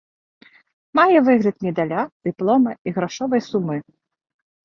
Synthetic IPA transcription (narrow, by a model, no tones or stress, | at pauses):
majɛvɨɣɾʲɨt̪̚mʲɛd̪alʲad̪̥ɨplˠɔmɐiɣɾaʂɔvɐjsumɨ